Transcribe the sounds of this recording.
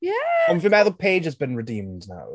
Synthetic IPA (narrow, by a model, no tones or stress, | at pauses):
jæãɪ̃fə̃maɪðəpʰeɪdd͡ʒɨzbɨ̃nɹɨdĩmdna̰ʊ